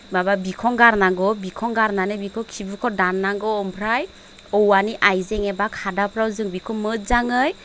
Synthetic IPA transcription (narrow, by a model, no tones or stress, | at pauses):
bababikʰɔŋɡaɾnaɡɔbikʰɔŋɡaɾnanɯbikʰɔkʰibɯkʰɔdanːaŋɡɔɔmpʰɾaj | ɔwaniʔajzɛŋebakʰadapʰɾawzɯŋbikʰɔmɯt̚zaŋɯj